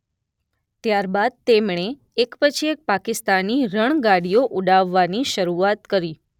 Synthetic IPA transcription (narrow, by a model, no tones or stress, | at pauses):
t̪jaɾbad̪̚t̪emɳe | ekpət͡ʃʰiek̚pakɪst̪anːiɾəɳ̃ɡaɽijoʔuɖaʋːaniʃəɾuat̪kəɾi